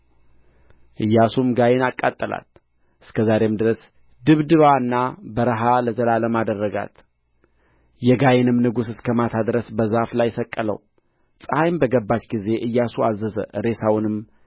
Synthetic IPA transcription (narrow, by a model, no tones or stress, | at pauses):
ʔɨjːasumɡajenakʼːat̪ʼːəla̰t̪̚ | ʔɨskʰəzaɾe̞md̪ɨɾəs | d̪ɨβd̪ɨβaɨnːabəɾəɦaləzəlaləmad̪ərːəɡa̰t̪ | jɛɡajenɨmnɨɡusɨskʰəmat̪ʰad̪ɾəsbəzaflajsəkʼːələ̰w | sʼəhajmbəɡəbːat͡ʃɡize̞ʔɨjːasuazːəzə̰ʔɨɾe̞sawnɨm